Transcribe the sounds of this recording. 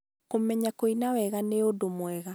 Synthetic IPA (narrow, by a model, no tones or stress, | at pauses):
komɛɲakoinawɛɣaneodomwɛɣa